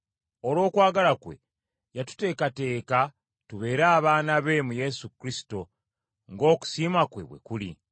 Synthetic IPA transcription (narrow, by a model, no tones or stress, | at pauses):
o̞lo̞ːkwaːɡalakwe̞̰ | jatu̥te̞ːkate̞ːka | tuβe̞ːɾaːβaːnaβe̞muje̞sukɾisi̥to̞ | ŋɡo̞ːku̥siːmakwe̞̰βwe̞̰kulḭ